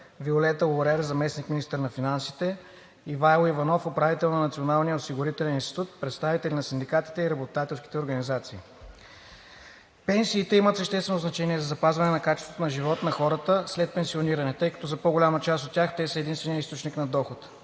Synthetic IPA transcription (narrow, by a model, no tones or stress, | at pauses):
violɛt̪əoɾɛɾzɐmɛsnikminist̪əɾnɐfinansit̪ɛ | ivajlˠivɐnɔfopɾavit̪ɛlˠnɐnɐt̪sionalˠnijəosiɡʊɾit̪ɛlɛninst̪i̥t̪ut̪̚pɾɛt̪st̪avit̪ɛlinɐsind̪ikat̪i̥t̪ɛiɾɐbot̪at̪ɛlˠsk̟ʲi̥t̪ɛoɾɡɐnizat̪siː | pɛnsiːt̪ɛimət̪səʃt̪ɛst̪vɛnʊznɐt͡ʃɛniɛzɐzɐpazvɐnɛnɐkat͡ʃɛst̪vot̪onɐʒivɔt̪nɐxɔɾət̪əslɛt̪̚pɛnsioniɾɐnɛt̪ɤjkɐ̥t̪ɔzɐpoɡʊlʲamət͡ʃast̪ot̪ʲːaxt̪ɛsəɛd̪inst̪vɛnijəist̪ot͡ʃniknɐd̪ɔxʊt̪